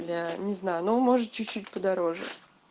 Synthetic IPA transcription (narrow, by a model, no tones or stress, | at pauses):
lʲanʲɪznajʊnumo̞ʐɨt̪̚t͡ɕʊt͡ɕːutʲpəd̪ɐɾo̞ʐɨ̰